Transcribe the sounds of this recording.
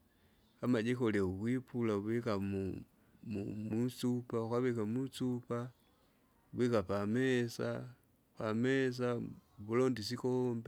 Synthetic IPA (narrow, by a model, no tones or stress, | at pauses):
kamad͡ʒikoleuβwipulaβikamu | umut͡supaukaβikamut͡supa | βikapamesa̰ | pames̬aβulondisikombe